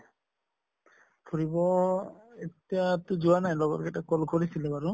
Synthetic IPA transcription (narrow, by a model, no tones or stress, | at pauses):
kʰuɾibɔ | etijat̪ud͡ʒuwanajlɔɡɔt̚kɛtakɔlkɔɾisilɛbaɾu